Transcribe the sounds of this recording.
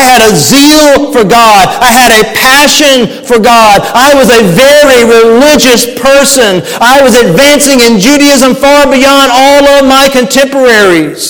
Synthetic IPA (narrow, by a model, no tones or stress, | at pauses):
ɪɨɾəzilˠfə˞ɡɑɾaɪɨɾɨpʰæʃɨ̃nfə˞ɡɑdaɪwʌzɨvɛɹiɹilɪd͡ʒɨspʰɜ˞sɨ̃n | aɪwʌzɨdvæ̃nsɪ̃ŋɨ̃nd͡ʒʉɾiɪzə̃ɱfɑɹbiɑ̃ndɔlˠʌvmaɪkɨ̃ntʰɛ̃mpə˞ɛɹiz̥